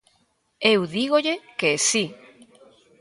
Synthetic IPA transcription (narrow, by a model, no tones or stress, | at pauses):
ewðiɣ̞oʎekeesi